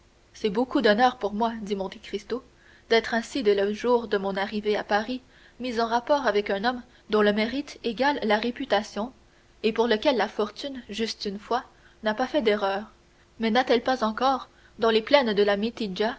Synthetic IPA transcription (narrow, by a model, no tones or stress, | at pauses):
sɛbokud̪ɔnœʁpuʁmwad̪imɔ̃t̪ekχist̪o | d̪̥ɛt̪χɛ̃sid̪eləʒuːʁd̪əmɔ̃naʁiveapaʁi | mizɑ̃ʁapɔːʁavɛkœ̃nɔm | d̪ɔ̃ləmeʁit̪eɡalːaʁepyt̪asjɔ̃ | epuʁləkʲɛlːafɔʁt̪ynʒyst̪ynfwa | napafɛd̪eʁœːʁ | mɛnat̪ɛlpazɑ̃kɔːʁ | d̪ɑ̃leplɛnd̪əlamet̪id͡ʒa